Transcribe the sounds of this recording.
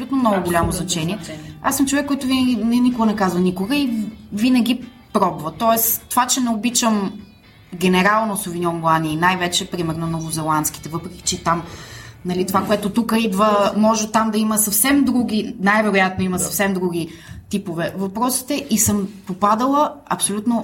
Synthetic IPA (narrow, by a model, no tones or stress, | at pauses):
olʲut̪nomnɔɡʊɡʊlʲamoznɐt͡ʃɛnʲiɛasːəmt͡ʃovɛkːɔjt̪ʊvinəɡʲinɛnikoɡənɛkazvɐnikoɡəivinəɡ̟ʲi | pɾɔbvɐt̪ɔɛst̪ovat͡ʃɛnɛobit͡ʃəm | ɡʲɛnɛɾalˠnosovinʲɔmlˠaniːnajvɛt͡ʃɛpɾimɛɾnonovʊzɛlˠant̪sk̟i̥t̪ɛvɤpɾɛkʲi̥t͡ʃɛt̪amnɐlit̪ovakoɛt̪ot̪ukəid̪vəmɔʒɛt̪amd̪ɐiməsɐfsɛmd̪ɾuɡʲinajvɛɾojat̪̚noimɐsɐfsɛmd̪ɾuɡ̟ʲi | t̪ipovɛvɐpɾɔsi̥t̪ɛʔisɤmpopad̪əlˠəɐ̰psolʲut̪no